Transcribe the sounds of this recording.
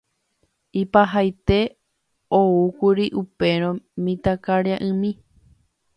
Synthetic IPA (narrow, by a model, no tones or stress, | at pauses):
ipaɦajt̪e̞ | oukuɾiʔupe̞ɾ̃õmĩt̪akaɾeaʔɨ̃mĩ